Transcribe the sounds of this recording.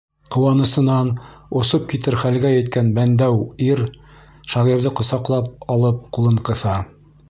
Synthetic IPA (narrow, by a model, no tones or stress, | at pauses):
qŏwɑnɤ̆sɤ̆nɑnŏsop̚kit̪ɘɾχælɡæjɘ̆t̪̚kænbænd̪æwiɾ | ʃɑʁiɾðɘqŏsɑqlˠɑp̚ɑlˠɤp̚qulˠɤ̆ɴqɤ̆θɑ